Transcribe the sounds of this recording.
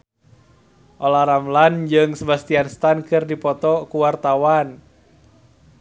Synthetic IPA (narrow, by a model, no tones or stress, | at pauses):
ʔɔlaɾamland͡ʒɨŋsəbast̪ianst̪ankɨrdipɔt̪ɔkuwart̪awan